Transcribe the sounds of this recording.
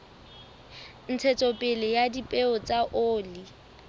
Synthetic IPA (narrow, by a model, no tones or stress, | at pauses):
n̩t͡sʰet͡sʼopʼɪlɪjadipʼeʊt͡sʼaʔoːli